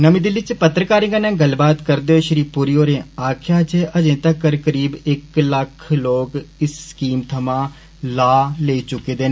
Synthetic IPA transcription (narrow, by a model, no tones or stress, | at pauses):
nəmĩːd̪ɪlɪt͡ʃpət̪ɾəkaːɾɪ̃ŋɡaːnɛ̃ːɡəlbaːt̪kəɾd̪eːɦoːʃəɾiːpːuːɾijoːɾẽːaːkʰjaːt͡ʃeːʔəd͡ʒẽːt̪əkəɾkəɾiːbɪkləkʰloːkɪsːkiːmt̪ʰəmãː | laːleːiːt͡ʃʊkːeːd̪eːnː